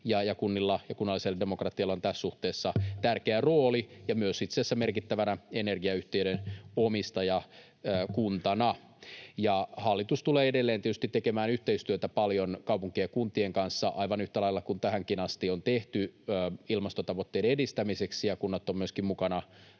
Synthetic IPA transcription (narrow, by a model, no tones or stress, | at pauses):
jɑjɑkunːilːɑjɑkunːɑlːiselːdemokrɑt̪iɑlːont̪æssuht̪eːsːɑt̪ærkeæroːlijɑmyøsit̪seːsːæmerkit̪ːæʋænæenerɡiɑyht̪eyɾenomist̪ɑjɑː | kunt̪ɑnɑ | jɑhɑlːit̪ust̪uleːedelːent̪iet̪y̥st̪it̪ːekemæːnyht̪eist̪yøt̪æpɑljonkɑuwpuŋkijkunt̪ieŋkɑnsːɑʔɑiʋɑnyht̪ælɑilːɑkunt̪æhæŋkinɑst̪iont̪eht̪yøːilmɑst̪ot̪ɑʋot̪ːeiɾeedist̪æmiseksijɑkunːɑt̪ːommyøskimmukɑnɑ